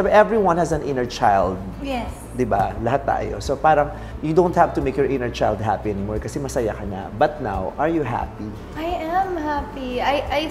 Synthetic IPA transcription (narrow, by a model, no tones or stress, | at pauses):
bʔɛvɹiwɐ̃nhɛzɐ̃nʔɪ̃nəɹt͡ʃajld̪̚jɛː | ɪbalɐɦat̪ːa̰ːjo̰sopaːɾɐŋ | jud̪õʊnt̪̚havt̪ʊmeɪkjɔɹʔɪ̃nəɹt͡ʃajld̪̚ɦa̰piʔɛnɪmɔɹkɐsɛmɐsɐjakɐna̰bɐt̪̚na̰wʔɐɹjuɦa̰pi | ʔajɛmhapiajʔaj